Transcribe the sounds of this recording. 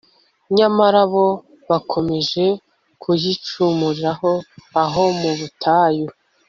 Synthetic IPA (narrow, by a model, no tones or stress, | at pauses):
ɲamaɾaβo̞ | βakʰo̞me̞ʒe̞ | kʰuzit͡ʃumuɾiɾaɦo̞aɦo̞muβutʰaju